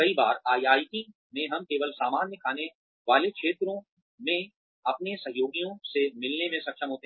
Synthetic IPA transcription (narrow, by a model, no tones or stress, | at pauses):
kɐibaːɾaːiaːjiʈi | mẽɦɐmkeːʋəlsaːmaːnjəkʰaːne | ʋaːlekʃeːt̪ɾõ | mẽ | ɐpnesɐɦjoːɡijõsemɪlnemẽsɐkʃəmɦoːt̪eɦ